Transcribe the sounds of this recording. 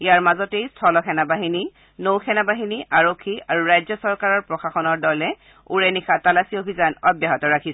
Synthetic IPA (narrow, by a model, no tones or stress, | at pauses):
ijaɹmazɔtejstʰɔlɔkʰɛnabaɦini | nowkʰɛnabaɦiniʔaɹokʰːiaɹuɹajzɔsɔɹkaɹɔɹpɹɔxaxɔnɔɹdɔlɛ | uɹɛnixatalasiobʱizanɔbjaɦɔtɔɹakʰis